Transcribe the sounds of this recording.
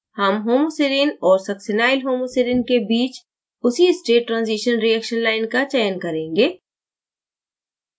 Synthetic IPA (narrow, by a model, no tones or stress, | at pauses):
hɐmɦoːmoseɾiːnɔːɾsɐksɪnaːɪlɦoːmoseɾiːnkebiːt͡ʃ | ʊsiɪsʈeːʈːɾãːnziːʃənɾiɛkʃənlaːɪnkat͡ʃɛːənkɐɾẽːŋɡeː